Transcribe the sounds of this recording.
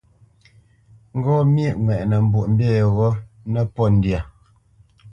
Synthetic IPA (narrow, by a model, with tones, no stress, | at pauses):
ŋ̩˦ɡɔ˦mje˦˨ʔŋwɛ˨ʔnɛ˨m̩˨bu˨ʔm̩˦bjɛ˦˨ɣɔ˦ | nɛ˦pɔ˦˨n̩˨dja˨